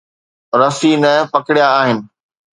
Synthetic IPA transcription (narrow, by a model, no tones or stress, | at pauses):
ɾɐfinɐpɐkɪɽijaːɦɪnɪ̆